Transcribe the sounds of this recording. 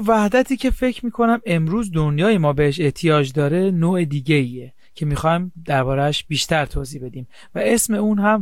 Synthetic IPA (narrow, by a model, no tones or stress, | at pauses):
væhd̪æt̪ʰiːcʰe̞fe̞cʰɾmiːkʰo̞næme̞mɾuːzd̪onjɒːje̞mɒːbeheʃe̞ht̪ʰijɒːd͡ʒd̪ɒːɾe̞noːed̪iːɟeiːje | cʰe̞mixɒːjmd̪̥æɾbɒːɾæʃbiːʃt̪ʰæɾt̪ʰoːziːbe̞d̪iːm | væe̞sme̞uːnɦæm